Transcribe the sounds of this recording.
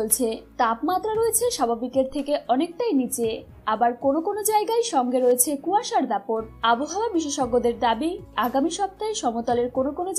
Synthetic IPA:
olt͡ɕʰet̪apmat̪ːɾaɾoet͡ɕʰeʃabʱabikeɾt̪ʰekeʔɔnek̚ʈajnit͡ɕe | abaɾkonokonod͡ʑaeɡajʃɔŋɡeɾoet͡ɕʰekuaʃaɾd̪apoɾaboɦaoabiʃeʃɔɡːod̪eɾd̪abiaɡamiʃɔp̚t̪aeʃɔmot̪ɔleɾkonokono

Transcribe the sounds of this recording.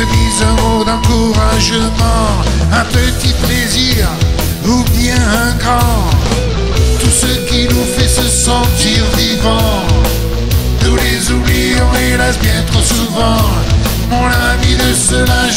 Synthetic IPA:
əd̪izɛ̃mod̪ɑ̃kuʁaʒəmɑ̃ɛ̃pət̪ipleziʁ | uvjɛ̃ɛ̃ɡʁɑ̃ | t̪usəkʲinufɛsəsɑ̃t̪iʁvivɑ̃ | t̪ulezublijɔ̃elɛsbjɛ̃t̪χosuvɑ̃ | mɔ̃navid̪əsəlaʒ

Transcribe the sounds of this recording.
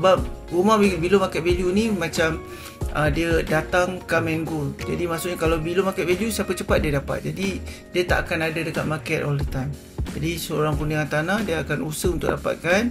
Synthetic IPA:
səbap̚ɾumahbibilomakɛt̪̚veljunimat͡ʃam | ʔədiədat̪aŋkamɛŋɡuld͡ʒadimaʔsuʔ̚ɲakalawbilomakɛt̪veljusapət͡ʃəpat̪̚diədapa̰t̪̚d͡ʒadidiət̪a̰ʔakanadadəka̰t̪̚makɛt̪olət̪am | d͡ʒadisəoɾaŋpuniŋant̪anahdiəakanusəhunt̪ʊʔdapa̰t̪̚kan

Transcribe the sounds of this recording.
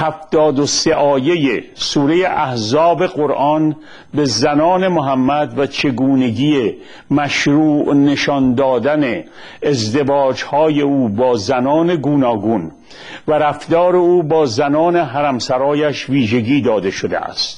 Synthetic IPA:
hæft̪ɒːd̪oseʔɒːje̞jesuːɾejeʔæhzɒːbe̞ɣoɾʔɒːn | be̞zænɒːne̞moɦæmːæd̪væt͡ʃʰe̞ɡuːne̞ɟiːe | mæʃɾuːʔne̞ʃɒnd̪ɒːd̪æne̞ː | zd̪e̞vɒːd͡ʒhɒːje̞uːbɒːzænɒːne̞ɡuːnɒːɡun | væɾæfd̪ɒːɾe̞uːbɒːzænɒːne̞ɦæɾæmsæɾɒːjæʃviːʒe̞ɟiːd̪ɒːd̪e̞ʃod̪ḛʔæ̰st̪

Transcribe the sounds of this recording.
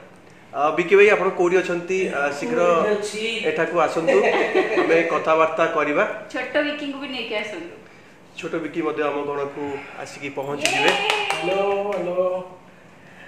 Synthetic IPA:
bikibajapɔɽ̃ɔkoɽiɔt͡ʃʰɔnt̪isikʰɾɔt͡ʃeʈʰakuasɔnt̪uamekɔt̪ʰabaɾt̪akɔɾibat͡ʃʰoʈːɔbikiŋkupiniekiasɔnt̪u | t͡ʃʰoʈɔbikiŋmɔd̪ʱjɔamɔɡʱɔɽ̃ɔkua̰sikipɔɦɔ̃nt͡ʃid͡ʒʱibeloɦlo

